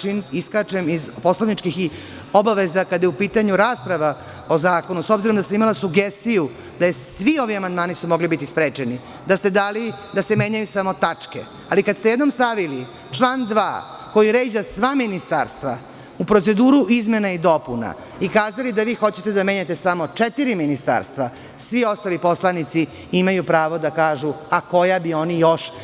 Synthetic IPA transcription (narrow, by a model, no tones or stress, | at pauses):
iniskat͡ʃemizpo̞slaʋnit͡ʃkixi | o̞baʋezakad̪ajeupiːt̪aɲuɾaːspɾaʋa | o̞zaːko̞nuso̞bziɾomd̪asamimalasuɡest̪iju | d̪̥ajesʋio̞ʋiamand̪maːnisumo̞ɡlibit̪ispɾeːt͡ʃeni | d̪ast̪e̞d̪aːlid̪ase̞me̞ɲajusamo̞t̪at͡ʂke̞̰ | alikad̪st̪ejed̪no̞mst̪aʋili | t͡ʃlˠaːnd̪ʋa̰ː | ko̞jiɾe̞ːd͡ʑasʋaminist̪a̰ɾst̪ʋa | upɾo̞t̪se̞d̪uːɾuizmenaid̪o̞puna̰ | ikaːzalid̪aʋiːxo̞t͡ɕet̪ed̪ame̞ɲat̪e̞samo̞t͡ʂet̪iɾiminist̪a̰ːɾst̪ʋa | sʋio̞st̪alipo̞slˠanit̪si | imajupɾaːʋo̞d̪akaːʒuako̞jabio̞nijo̞ʃ